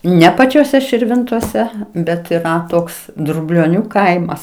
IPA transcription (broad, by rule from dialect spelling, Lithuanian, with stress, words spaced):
ˈnʲɛ pɐt͡ʃʲoːˈsʲɛ ʃʲɪrʲˈʋʲɪntoːsʲɛ ˈbʲɛt iːˈrɐ ˈtoːks drʊbʲlʲoːˈnʲuː ˈkɐɪmɐs